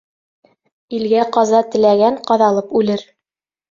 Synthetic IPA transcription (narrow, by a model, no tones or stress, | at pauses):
ilɡæqɑzɑt̪ɘ̆læɡæɴqɑðɑlˠɤpʉlɘɾ